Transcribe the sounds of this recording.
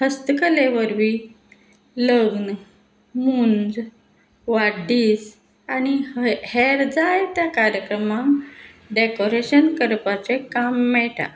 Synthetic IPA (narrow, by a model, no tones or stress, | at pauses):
həst̪əkəleʋəɾʋiː | ləɡn | muːnd͡z | ʋaɖiːs | añiheɾd͡zajt̪jakaɾjəkɾəmaŋ | ɖekoɾeɕənkəɾpat͡sekamːɛʈa̰